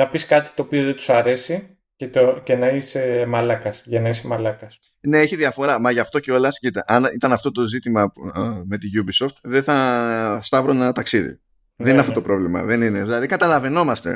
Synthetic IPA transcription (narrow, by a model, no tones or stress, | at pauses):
nɐpiskɐt̪i̥t̪o̞ːpioðet̪u̥sɐɾe̞si | cet̪oce̞nɐisemɐlɐkɐsʝɐnɐisemɐlɐkɐs | neeçiðiɐfo̞ɾɐmɐʝɐft̪o̞ceo̞lɐscit̪eʔɐnḭt̪ɐnɐft̪o̞t̪o̞zit̪imɐme̞t̪iʝubiso̞ft̪ðeθɐst̪ɐvɾonenɐt̪ɐksiðḭ | ðenineɐft̪ot̪o̞pɾo̞vlimɐ̰ðe̞nine̞ðilɐðikɐt̪ɐlɐve̞no̞mɐst̪e̞̰